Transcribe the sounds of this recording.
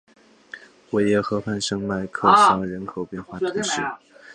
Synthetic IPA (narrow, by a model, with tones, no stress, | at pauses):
wɔ˨˩jɛ˧˥xɤ˧˥pʰa˥˩nʂɤ˥ŋma˥˩ɪkʰɤ˥˩ɕjɑ˧˥˩ŋɻə˧˥nkʰo˨˩ʊpjɛ˥˧nxwa˥˩t̪ʰʊ˧˥ŋʂɻ̩˥˩